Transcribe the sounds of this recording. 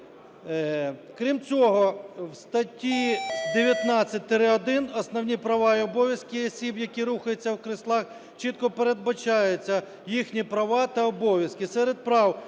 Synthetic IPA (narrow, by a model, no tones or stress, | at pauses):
kɾʲimt͡sʲɔɦɔwst̪ɐtʲid̪eʋʲjɐt̪nɑt͡sʲːɐt̚ʲt̪ɾɪɔd̪ɪnɔsnɔwnʲipɾɐʋɑjiɔbɔʋʲjɐskɪɔsʲibjɐkʲiɾuxɐjet͡sʲːɐwkɾɪslˠɑx | t͡ʃit̪̚kɔpeɾed̪̚bɐt͡ʃɑjʊt͡sʲːɐ | jixnʲipɾɐʋɑt̪ɐɔbɔʋʲjɐskɪsɛɾed̪̚pɾɑw